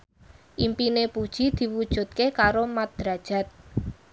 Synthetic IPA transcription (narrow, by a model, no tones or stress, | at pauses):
ʔimpinepud̥ʒ̥i̤d̪̥i̤wud̥ʒ̥ṳt̪̚kekaɾomat̪̚d̪̥ɾad̥ʒ̥a̤t̪̚